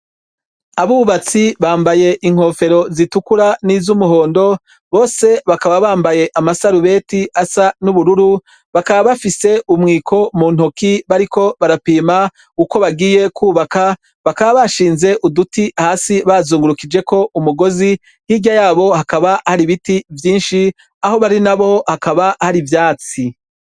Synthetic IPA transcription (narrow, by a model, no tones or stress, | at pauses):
aβuuβat͡siβaːmbaje̞ʔiŋ̥ho̞fe̞ɾo̞zitukuɾanizumuɦo̞ːndo̞ | βo̞ːse̞βakaβaβaːmbaje̞ʔamasaɾuβe̞ːtiasanuβuɾuɾu | βakaβaβafise̞ʔumŋiːkʰo̞mun̥hokiβaɾiko̞βaɾapiːma | uko̞βaɡiːje̞kuːβaka | βakaβaβaʃiːnze̞ʔudutihaːsiβazuːŋɡuɾukid͡ʒe̞ko̞ʔumuɡo̞zi | hiɟajaːβo̞hakaβahaɾiβitivjiːnʃi | aho̞βaɾinaβo̞hakaβahaɾivjaːt͡si